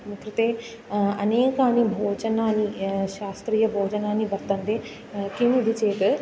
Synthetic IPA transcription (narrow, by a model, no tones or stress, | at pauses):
mukɾit̪eː | ɐneːkaːnibʱoːd͡ʒɐnaːnːiʃaːst̪ɾiːjɐbʱoːd͡ʒɐnaːnːiʋɐɾt̪ɐnd̪eː | kiʋid̪ʱit͡ʃeːt̪ɨ